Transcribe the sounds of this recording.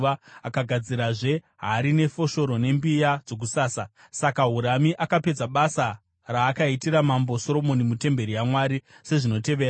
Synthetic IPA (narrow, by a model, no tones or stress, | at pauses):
ʋaakaɡʱad͡ziɾaʐe̞ | ɦaɾine̞fo̞ʃo̞ɾo̞ne̞mbijad͡zo̞k̬usaːsa | sakaɦuɾamiʔakape̞d͡zaɓasa | raːkaitiɾamambo̞so̞ɾo̞mo̞nimute̞mbe̞ɾijamwaːɾise̞ʐino̞te̞ʋeːa